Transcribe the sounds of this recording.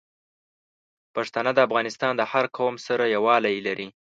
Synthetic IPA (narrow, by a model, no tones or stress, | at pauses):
paʂt̪anad̪əafɣɑnɪst̪ɑnd̪əhaɾkʰomsaɾajawɑlajlaɾi